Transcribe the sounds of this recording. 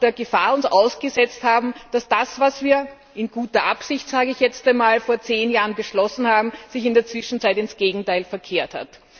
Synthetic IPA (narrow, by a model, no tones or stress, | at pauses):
d̥eːɐɡəfaːɐʊnsʔaʊsɡ̥əzɛt͡sthaːbm̩d̥asd̥asvasv̥iːɐ | ɪnɡ̥uːtɐʔapsɪçtz̥aːɡəɪçjɛt͡staɪnmaːlfoːɐt͡seːnjaːʁənbəʃlɔsn̩haːbm̩z̥ɪçɪndeːɐt͡sv̥ɪʃn̩t͡saɪtɪnsɡ̥eːɡŋ̩taɪlfɛɐkʰeːɐtha̰t